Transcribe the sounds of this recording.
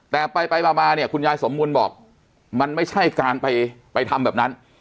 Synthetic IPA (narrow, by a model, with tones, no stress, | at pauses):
t̪ɛː˨˩pa˧jpa˧jbaː˨˩maː˧ni˥˩ɐkʰu˧njaː˧jso˩˦mbuː˧nbɔː˨˩k̚ | ma˧nma˥˩jt͡ɕʰa˥˩jkaː˧npa˧jpa˧jt̪ʰa˧mbɛː˨˩p̚na˦˥n